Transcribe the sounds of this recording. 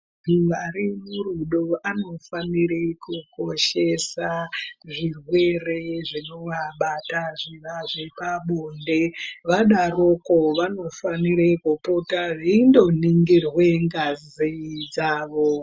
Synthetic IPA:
iʋaɾimuruɗoano̞faniɾekuko̞ʃe̞saʐirwe̞re̞ʐinomaɓataʐiʋaʐe̞paɓonde̞ʋaɗarokoʋano̞faniɾekupotaʐiindo̞niŋɡirwe̞ŋɡazzid͡zaːʋo

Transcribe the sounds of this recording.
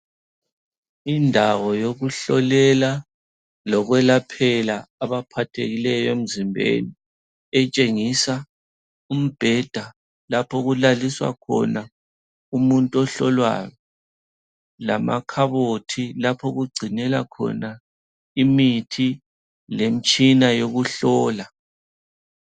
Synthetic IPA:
indʱawɔjoɣuɬɔlɛla | lɔɣwɛlapʰɛlaːβapʰatʰeɣilɛjɔem̩zimbʱḛni | ɛt͡ʃʼeŋisa | um̩b̥ʱɛd̥ʱa | lapʰɔɣulaliswa̰kʰɔ̰na | umuntʼɔɬɔlwa̰jɔ | la̰ma̰kʰaβotʰilapʰɔɣuɡ͡ǀʱinɛla̰kʰɔ̰na | imitʰi | lem̩t͡ʃʼinajoɣuɬɔːla

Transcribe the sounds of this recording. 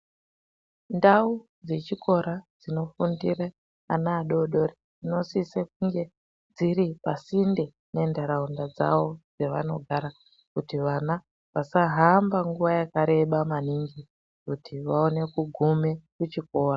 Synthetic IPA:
ndau | d͡ze̞t͡ʃiko̞ɾad͡zino̞fundira | anaːɗo̞ɗo̞red͡zino̞sisek̚uŋɡe | d͡ziɾipasinde̞ | ne̞ndaɾaundad͡za̰ʋo̞d͡ze̞ʋa̰no̞ɡʱaɾa | kutiʋana | ʋasaɦambaŋɡuʋajakaɾe̞ɓamaniŋɡi | kutʰiʋaone̞kuɡʱume̞kut͡ʃiko̞ːra

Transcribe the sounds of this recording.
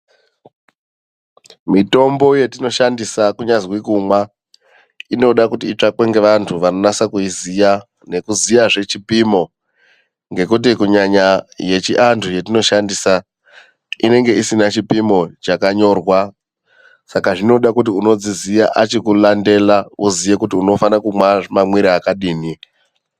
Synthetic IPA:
mito̞mbo̞je̞tino̞ʃandisakuɲazwikumwa | ino̞ɗakutiːt͡ʂakweŋɡe̞ʋantʰuʋano̞nasakuizija | ne̞kuzijaʐe̞t͡ʃipimo̞ | ŋɡe̞kut̬ikuɲaɲaje̞t͡ʃiʔantʰut͡ʃe̞tino̞ʃandisa | ine̞ŋɡe̞ʔisinat͡ʃipimo̞t͡ʃakaɲo̞rwa | sakaʐino̞ɗakut̬iuno̞d͡zizijaʔat͡ʃekulande̞lauzije̞kutiuno̞fanakumwamamwiɾiakaɗiːni

